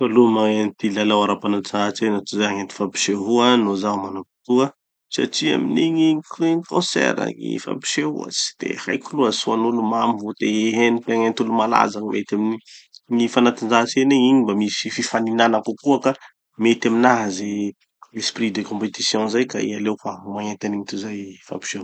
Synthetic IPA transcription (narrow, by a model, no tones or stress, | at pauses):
falumaent̪ilalawaɾapanaʈ͡ʂaɦat͡ʃenat̪uzaaŋent̪i̥fapi̥ʃeɦuanozamanapi̥t̪ua | sa̰ʈ͡ʂia̰miniɲikikɔ̃sɛ̰ɾa̰ŋḭfa̰pi̥ʃeɦṵa̰t͡si̥d̪̥ḛhajkuluasuanulumamivot̪eeɦenipaŋent̪ulumala̰zakmet̪aminiŋifanat̪ind͡ʒaɦt͡seneɲiɲimbamisififaninanakukuaka | met̪aminaɦaze | esprid̪ekɔ̃mpet̪isjɔ̃zajkaḭalewfamaŋent̪aniɲit̪uzajfa̰pi̥ʃeu